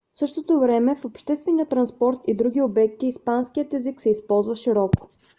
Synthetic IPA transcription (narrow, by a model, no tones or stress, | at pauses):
fsɤʃt̪ot̪ovɾɛmɛfopʃt̪ɛst̪vɛnijət̪ɾɐnspɔɾt̪id̪ɾuɡ̟ʲiobɛk̚t̪iːspanskijət̪ɛziksɛispɔlˠzvəʃiɾɔko̥